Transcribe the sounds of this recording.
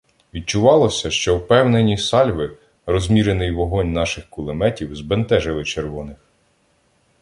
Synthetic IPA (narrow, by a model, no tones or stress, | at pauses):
ʋʲid̪̚t͡ʃʊʋɑlˠɔsʲɐʃt͡ʃɔwpɛwnenʲisɑlʲʋɪ | rɔzʲmʲiɾenɪjʋɔɦɔnʲnɑʃɪxkʊlˠemɛtʲiwzbent̪ɛʒɪlˠɪt͡ʃerʋɔnɪx